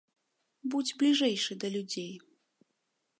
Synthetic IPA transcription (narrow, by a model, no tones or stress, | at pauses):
bud͡zʲblʲiʐɛjʂɨd̪ɐlʲud͡zʲej